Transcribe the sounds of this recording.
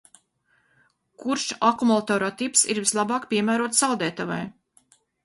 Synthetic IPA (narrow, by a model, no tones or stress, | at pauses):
kuɾʃakumulˠat̪ɔːɾɔt̪ipsḭɾvislˠabɑːkpʲiɛmæːɾuɔt̪salˠd̪ɛːt̪ava̰j